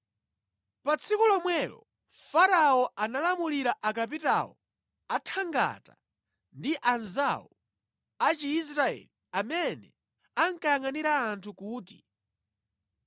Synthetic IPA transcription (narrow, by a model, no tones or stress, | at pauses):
pat͡sʰikulɔmwɛlɔ̰ | faɾaɔanalamuliɾaʔakap̬ita̰ɔ̰ | atʰaŋɡa̰ta | ndiʔanzaɔ | at͡ʃiːs̬ɾaɛ̰liamɛnɛ | aŋkajaŋaniɾaːntʰukuːtḭ